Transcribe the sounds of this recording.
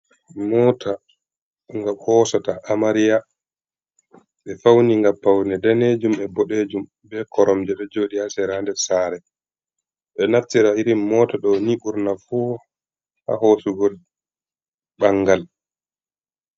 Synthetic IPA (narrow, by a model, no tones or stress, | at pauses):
mɔːtʰa | ŋɡamhɔːsataʔːmaɾija | ɓɛfawniŋɡapːawnɛdaned͡ʒumɛbɔɗed͡ʒum | bɛkɔɾɔmd͡ʒɛɗɔd͡ʒoːɗiasɛɾandɛsaːɾɛ | ɓɛnaftːiɾaiɾimːɔːtaɗɔniɓuɾnafu | ha̰hosuɡol | ɓaŋɡal